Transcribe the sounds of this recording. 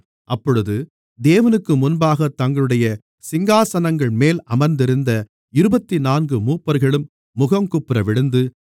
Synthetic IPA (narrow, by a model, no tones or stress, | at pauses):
ʔɐpːɔɻɯðɯ | d̪eːʋɐnɯkːɯmʊnbaːɣɐt̪ːɐŋɡɐɭɯɽɐjɐ | sɪŋɡaːsɐnɐŋɡɐɭmeːlɐmɐɾnd̪ɪɾɯnd̪ɐ | ɪɾɯbɐt̪ːinaːnɡɯmuːpːɐɾɣɐɭɯmː | ʊɣɐmkʊpːɪɾɐʋɪɽɯnd̪ɯ